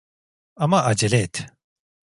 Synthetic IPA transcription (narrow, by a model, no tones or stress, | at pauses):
amaʔad͡ʒelʲɛt̪